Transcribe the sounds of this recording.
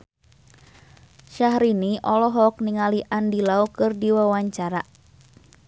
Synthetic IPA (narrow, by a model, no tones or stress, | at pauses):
ʃahɾiniʔɔlɔɦɔk̚niŋaliʔandilaukɨrdiwawaɲt͡ʃaɾa